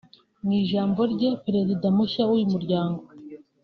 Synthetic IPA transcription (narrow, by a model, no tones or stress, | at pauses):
niʒaːmbo̞ɾɟe̞pɾe̞zidamuçaujumuɾɟaːŋɡo̞